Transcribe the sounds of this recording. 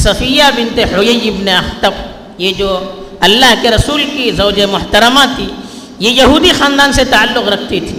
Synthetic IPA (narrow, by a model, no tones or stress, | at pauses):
sɐfiːjabɪ̃nt̪ehʊjɐjɪbneɐxt̪əp̚ | jed͡ʒoː | ɐlːaɦkeɾɐsuːlkizɐːd͡ʒemʊɦt̪əɾəmat̪ʰi | jejɐɦuːd̪ixãːnd̪aːnset̪aalːʊqɾɐk̚ʰt̪it̪ʰiː